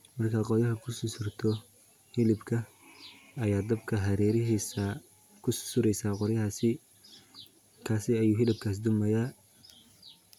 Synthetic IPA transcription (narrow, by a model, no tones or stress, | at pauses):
mɐrkʰaqɔjɐɦɐkʰʊsʊsʊrt̪ʰɔ | hɪlɪbkʰɐ | ɐjaːd̪ɐbkʰɐɦɐɾɛːɾɪɦis | kʰʊsʊ̥sʊɾɛjsaːqɔɾjɐɦaːsɪ | kʰaːsɪɐjuːɦɪlɪb̚kʰaːs̬d̪ʊmɐjaː